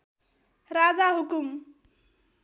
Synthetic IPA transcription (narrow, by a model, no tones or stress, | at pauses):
ɾad͡zaɦukum